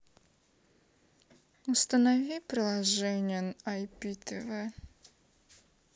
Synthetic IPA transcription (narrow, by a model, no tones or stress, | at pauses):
ʊst̪ənɐvʲipɾɪlˠɐʐɛnʲɪjənajpʲit̪ʰəvə